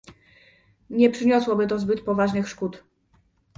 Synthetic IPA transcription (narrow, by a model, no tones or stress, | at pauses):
ɲɛpʂɘɲɔswɔbɘt̪ɔzbɘt̪pɔvaʐnɘxʂkut̪